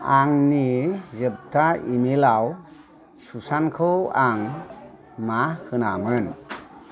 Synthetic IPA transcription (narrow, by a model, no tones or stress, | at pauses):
aŋnizɯp̚tʰaʔimilaw | susankʰɯwaŋ | mahɯnamɯn